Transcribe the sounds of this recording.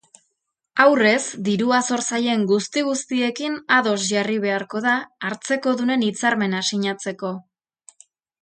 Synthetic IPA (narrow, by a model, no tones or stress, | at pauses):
awre̞sd̪iɾuaso̞ɾsaje̞ŋɡust̪iɣ̞ust̪ie̞kinaðo̞sʝariβ̞e̞aɾko̞ð̞aːɾt͡se̞ko̞ðune̞nit͡saɾme̞nasiɲat͡se̞ko̞